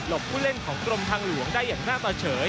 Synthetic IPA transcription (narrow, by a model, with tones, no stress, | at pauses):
lo˨˩p̚pʰuː˥˩le˥˩nkʰɔː˩˦ŋkɾo˧mt̪ʰaː˧ŋlu˨˦əŋdaː˥˩jːaː˨˩ŋnaː˥˩k̚t̪ɔː˧t͡ɕʰɤː˩˦